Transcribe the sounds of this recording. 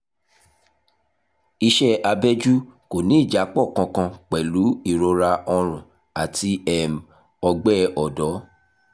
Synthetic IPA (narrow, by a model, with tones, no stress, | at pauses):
i˧ʃɛ˦a˧bɛ˦d͡ʒu˦ko˨nĩ˨˦i˦˨d͡ʒa˨˦k͡pɔ˦˨kã˧kã˧k͡pɛ˨lu˨˦i˦˨ɾo˧ɾa˧ɔ˧ɾ̃ũ˨ | a˨ti˧ɛ˦˨m˨ | ɔ˧ɡ͡bɛ˦ɔ˨dɔ˨˦